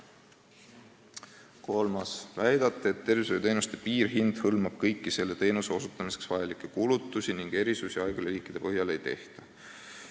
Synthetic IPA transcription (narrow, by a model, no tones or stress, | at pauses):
ko̞lmɑsvæjd̪̥ɑt̪ːˑeet̪ːe̞rvisejt̪e̞jnust̪e̞piːrɦind̪̥hɤlmɑb̥kɤjkːise̞lːe̞t̪e̞jnuse̞o̞sut̪ːˑɑmise̥ksvɑjɑlikːˑekulut̪ːˑusiniŋɡ̥e̞ɾisusiɑjɡ̥uleɾiːkˑːid̪̥e̞pɤɦjɑle̞jt̪e̞ht̪ɑ